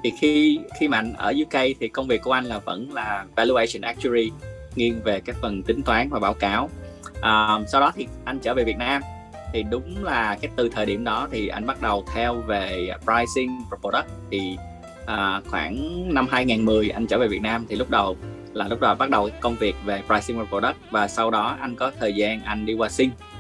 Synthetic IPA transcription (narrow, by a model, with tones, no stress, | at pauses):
t̪ʰi˨˩xi˧xi˧ma̰˧˨jŋ̟ʔə̰ː˧˩zɨ˧kə˧jt̪ʰi˨˩kə˧wŋ͡mvi˨˩əkːu˧˩əʔa˧jŋ̟laː˨˩və̰˧˥nlaː˨˩vɛ˧lu˧ʔe˧sə˧˩nʔɛ˦˥k̚t͡ɕu˧ɹi˧ | ŋi˧ənve˨˩kaː˨˦˥jfə˨˩nt̪ï˨˦ŋ̟t̪waː˨˦nvaː˨˩ɓaː˧˦wkaː˨˦wʔəː˨˩sa˧wɗɔ˨˦t̪ʰi˨˩ʔa˧jŋ̟t͡ɕəː˧˩ve˨˩vi˨˩ət̚naː˧m | t̪ʰi˨˩ɗʊ˨˦ŋ͡mlaː˨˩kaː˨˦jt̪ɨ˨˩t̪ʰəː˨˩jɗḭ˧˩əmɗɔ˨˦t̪ʰi˨˩ʔa̰˧jŋ̟ɓa˦˥t̚ɗə˨˩wt̪ʰɛ˧wve˨˩pɹaː˧jsï˧ŋvə˨˩po˧˩ɗə˦˥k̚t̪ʰi˨˩ | ʔəː˨˩xwaː˧˩nna˧mɦaː˧jŋaː˨˩nmɨ˨˩əjʔa˧jŋ̟t͡ɕəː˧˩ve˨˩vi˨˩ət̚naː˧mt̪ʰi˨˩lʊ˦˥k͡p̚ɗə˨˩w | laː˨˩lʊ˦˥k͡p̚ɗɔ˨˦ɓa˦˥t̚ɗə˨˩wka˦kə˧wŋ͡mvi˨˩ək̚ve˨˩pɾaː˧jsi˧ŋvəː˨˩po˧ɗə˦˥k̚vaː˨˩sa˧wɗɔ˨˦ʔa˧jŋ̟kɔ˨˦t̪ʰəː˨˩jzaː˧nʔa˧jŋ̟ɗi˧kwaː˧sï˧ŋ̟